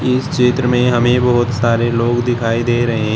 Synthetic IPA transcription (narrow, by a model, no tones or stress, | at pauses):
ɪsʃeːt̪ɾəmẽɦɐmẽbɐɦʊt̪saːɾeloːɡd̪ɪkʰaːid̪eːɾɐɦeɦɛ̃